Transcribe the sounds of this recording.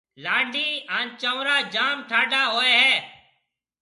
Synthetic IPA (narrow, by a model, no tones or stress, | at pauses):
laːɳɖʱiːaːnt͡ʃəːɾaːd͡ʒaːmʈʰaːɖaːɦoːeːɦɛː